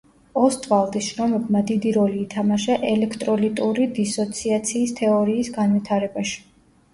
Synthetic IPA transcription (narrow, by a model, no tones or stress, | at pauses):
ɔst̪ʼvalˠd̪isʃɾɔmɛbmad̪id̪iɾɔliːt̪ʰamaʃaʔɛlɛkʰt̪ʼɾɔlit̪ʼuɾid̪isɔt̪sʰiat̪sʰiːst̪ʰɛɔɾiːsɡanvit̪ʰaɾɛbaʃi̥